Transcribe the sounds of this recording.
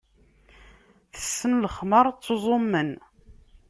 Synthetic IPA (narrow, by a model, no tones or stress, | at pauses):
θə̥sːənləχməɾˤt͡sːozˤomːən